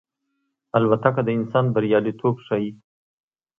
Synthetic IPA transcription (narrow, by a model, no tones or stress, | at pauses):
alwat̪akad̪əɪnsɑnbaɾjɑlit̪ʰobʂɑi